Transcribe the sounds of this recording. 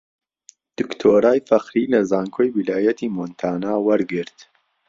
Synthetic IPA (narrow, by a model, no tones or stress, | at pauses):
d̪̥ɨkt̪ʰoːɾaːjfɐxɾiːlɐzaːŋkʰoːjwilaːjɐt̪ʰiːmont̪ʰaːnaːwɐɾɡɨɾt̪